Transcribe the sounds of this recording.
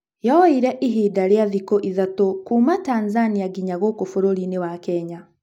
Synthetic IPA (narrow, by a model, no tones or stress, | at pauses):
jɔiɾɛʔiɦidaɾeaðikoʔiðatokuːmataːnzaniaɡiɲaɣokofoɾoɾinewakɛɲa